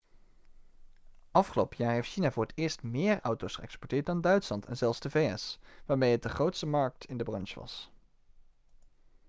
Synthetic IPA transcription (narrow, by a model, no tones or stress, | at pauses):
ʔɑfχəlowpəjaːɹɦejftʃinaːvʊːɹətɪːɹstmɪːɹʌwtowsχə̰ɛ̰kspɔɹtɪːɹt̚dɑndœɥtslɑntɛ̰nzɛlˠfzdəvejɛsʋaːɹmejɦət̚dəχrowtstəmɑɹk̚tʰɪndəbrɑnʃʋɑ̰s